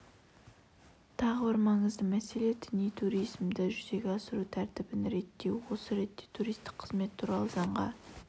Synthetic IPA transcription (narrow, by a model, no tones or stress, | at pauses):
t̪ʰɑʁəbəɾmɑɴəzd̪əmæse̞le̞d̪ɪnijt̪ʰuɾijzmd̪ɪʒʏze̞ɡʲeɑsəɾut̪ʰæɾt̪ɪbɪnɾe̞t̪ːe̞wwo̞səɾe̞t̪ːe̞t̪ʰuɾijst̪ɪ̥kqʰə̥zme̞t̪ʰːuɾɑlˠəzɑɴʁɑ